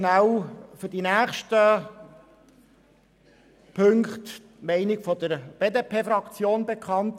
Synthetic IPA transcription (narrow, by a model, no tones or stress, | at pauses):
nawfydinæːχʃtə | pʰɵŋkχt | mɛɪnɪɡfɔdəɾb̥eːdeːpʰeːfɾɑkt͡sjoːnbekʰχɑnt